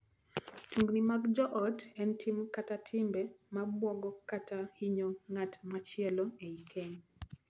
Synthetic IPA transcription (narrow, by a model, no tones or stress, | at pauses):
tuŋɡnimaɡd͡ʒɔʔɔtɛntʰimkatatʰɪmbɛmabwɔɡɔkatʰahiɲɔŋatmat͡ʃɪɛlɔeikʰeɲ